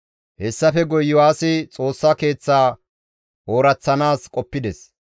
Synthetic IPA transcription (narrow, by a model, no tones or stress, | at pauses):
hɛsːɐfɛɡɔjːʊwaːsɪt͡sʼo̞ːsːɐke̞ːt͡sːaː | ʔo̞ːɾɐt͡sːɐnaːskʼɔpːɪd̪ɛs